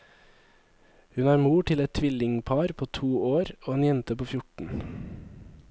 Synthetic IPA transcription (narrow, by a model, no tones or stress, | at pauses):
hʉnæːɾmuːʈʰɪlɛt̪̚t̪ʰʋɪlɪŋpʰɑːɾpʰoːt̪ʰuːoːɾoːeːnjɛnt̪əpoːfjʊʈɳ̩